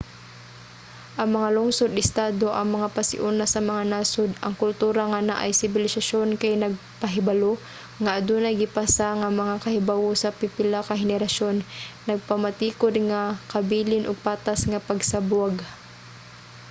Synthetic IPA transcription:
ʔɐŋmɐŋaloŋsod̪ɪst̪aːd̪o̞ʔɐŋmɐŋapɐsɪ̰ʔunasɐmɐŋanaːsod̪ʔɐ̰ŋkʊlt̪uːɾaŋanaʔɐ̰jsɪbɪlɪsaʃo̞nkajnɐɡ̚pɐɦɪbɐlo | ŋaʔɐd̪unɐjɡɪpasaŋɐmɐŋakɐhɪbawosɐpɪpɪlakɐɦɪnɛɾɐʃo̞nːɐɡ̚pamɐt̪iːkod̪̚ŋakɐbiːlɪnʔʊɡ̚paːt̪asŋɐpɐɡsabʊaɡ

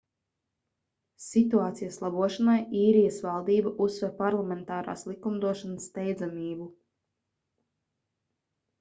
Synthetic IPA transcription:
sit̪uaːt̪sijaslˠabuɔʃanajiːɾijəsvɑlˠd̪iːbaʔusːvɛɾpaɾlˠamɛnt̪aːɾa̰ːslˠikumd̪uɔʃanəsːt̪ɛjd̪zamiːbu

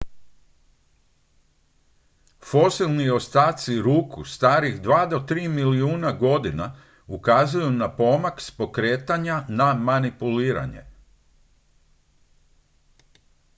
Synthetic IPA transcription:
fo̞silˠnio̞st̪aːt̪siɾuːkust̪aːɾiɣd̪ʋaːd̪o̞t̪ɾiːmiliuːnaɡo̞d̪ina | ukaːzujunapo̞makspo̞kɾeːt̪aɲanamanipuliːɾa̰ɲe̞̰

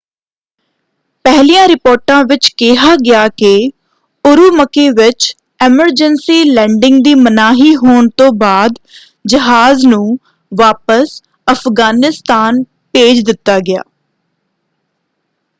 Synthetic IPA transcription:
pɛɦliːjãːɾɪpoːɾʈãːʋɪt͡ʃkɪɦaːɡɪjaːkɪ | ʊɾuːməkeːʋɪt͡ʃ | ɛməɾd͡ʒənsiːlɛ̃ːɳɖɪŋɡ̚d̪iːmənaːɦiːɦoːɳt̪õːbaːd̪ | d͡ʒəɦaːznũː | ʋaːpəs | əfʰɡaːnɪst̪aːn | peːd͡ʒd̪ɪt̪ːaːɡɪja̰ː

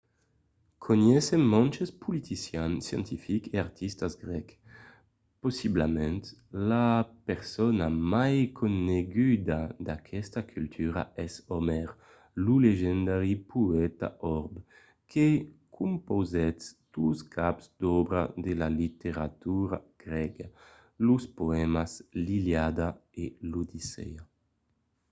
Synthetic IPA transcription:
kʰoɲɛsemmɔ̃nt͡ʃespʰulit̪isjansjɛ̰̃nt̪ifikeaɾt̪ʰist̪azɡɾɛk | posiblamɛ̃nt̪lapeɾsɔnamajkʰoneɡyd̪ad̪akʰɛst̪akʰylt̪ʰyɾa̰ɛsɔmɛʁ | luleʒɛnd̪aɾipʰuɛt̪a̰ʔɔɾb | kʰekʰumpozɛst̪uskʰapzd̪ɔbɾa̰d̪elalit̪eɾat̪uɾa̰ɡ̥ɾɛɡa | luspoɛmasliljad̪aelud̪isɛ̰a

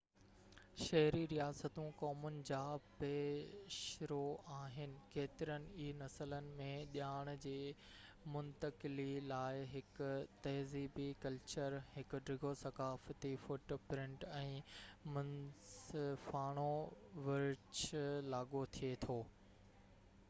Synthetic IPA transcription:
ʃɐɦɪɾiɾijaːsət̪ũkɔːmʊnɪ̆d͡ʑaːpeːʃɾoaːɦɪnɪ̆keːt̪ɪɾənɪ̆iːnɐsələnɪ̆mẽɗjaːɽ̃ʊ̆d͡ʑeː | mʊnt̪əkɪlilaːɪɦɪkʊ̆t̪ɐɦziːbikɐlt͡ɕəɾhɪkʊ̆ɖɾɪɡʱosɐkaːfət̪ifoːʈopɾɪ̃ɳʈɛ̃ːmɐnsfaːɽ̃oʋɪɾt͡ɕlaːɠot̪ʰiet̪ʰoː

